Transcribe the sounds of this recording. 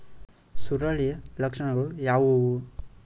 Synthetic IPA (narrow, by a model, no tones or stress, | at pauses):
suɾɐɭijɐlɐkʂɐɳɐɡɐɭujaːʋuwu